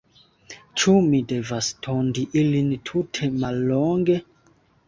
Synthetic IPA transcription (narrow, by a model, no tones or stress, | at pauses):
t͡ʃumide̞vastʰondiʔilintʰutʰe̞malːoŋɡe̞